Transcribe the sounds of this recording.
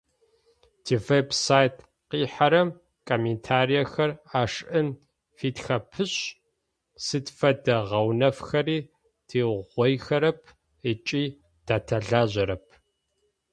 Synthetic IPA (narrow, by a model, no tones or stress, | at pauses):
tʰivebsaːjtʰ | qiːħaɾɐm | kʰoːmentʰaːɾijɐxɐraːʂʔɨm | fiːtxɐpʰɨɕ | sɨtfɐdɐʁɐwnɐfxɐɾiː | tʰiːʁʷɔjxɐɾɐpʰ | ət͡ʃʼiː | d̥aːtʰɐɮaːʑɐɾɐp̚ʰ